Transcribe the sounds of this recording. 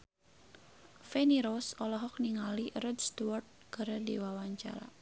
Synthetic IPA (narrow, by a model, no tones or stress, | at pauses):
feniɾɔsɔlɔɦɔk̚niŋalirɔdst̪uart̪̚kəɾədiwawaɲt͡ʃa̰ɾa̰